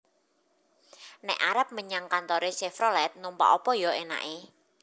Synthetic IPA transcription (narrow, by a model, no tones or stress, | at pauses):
nɛ̰ʔaɾəp̚məɲaŋkant̪ɔɾesefɾɔlɛt̪̚numpa̰ʔɔpɔjɔena̰ʔe